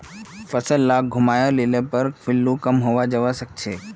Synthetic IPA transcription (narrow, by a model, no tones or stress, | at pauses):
fəsəlːaɡʱʊmaːjaleːlẽpəɾfɪlːukəmɦoːʋad͡ʒəʋasək̚t͡ʃʰeː